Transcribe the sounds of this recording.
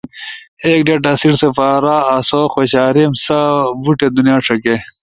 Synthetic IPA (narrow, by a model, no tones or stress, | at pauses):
eːk̚ɖeʈ̬asiɽsefaːɾaːsoːxoɕaːɾimsabuʈed̪unjaːʈ͡ʂʰɐke